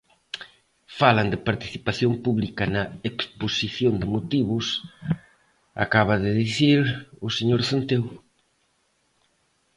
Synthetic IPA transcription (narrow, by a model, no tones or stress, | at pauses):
falɐnd̪ɪpaɾt̪i̥θipaθjompuβlikɐnɐeksposiθjond̪ɪmot̪iβʊs | a̰kaβɐðɪðiθiɾʊseɲoɾθont̪ew